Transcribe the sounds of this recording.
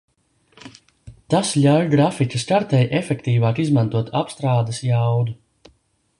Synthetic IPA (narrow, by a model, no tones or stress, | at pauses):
t̪asʎʲawjɡɾaficʲɐskaɾt̪ɛjʔefɛkt̪iːvaːkizmãnt̪uɔt̪ʰapst̪ɾaːd̪ɐsjawd̪u